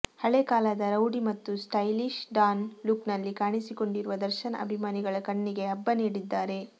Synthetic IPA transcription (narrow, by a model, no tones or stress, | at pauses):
hɐɭekaːlɐd̪ɐɾɐwɖimɐt̪ːusʈɐjliʃɖaːnluknɐlːikaːɳisiko̞ɳɖiɾuʋɐd̪ɐɾʃɐnɐ̰ʔɐ̰bʱimaːniɡɐɭɐkɐɳːiɡe̞ɐbːɐniːɽid̪ːaːɾe̞